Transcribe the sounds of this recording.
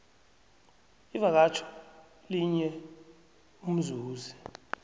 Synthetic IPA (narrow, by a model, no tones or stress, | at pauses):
ivak̬at͡ʃʰɔ̥ | liɲɛ | um̩zuːzi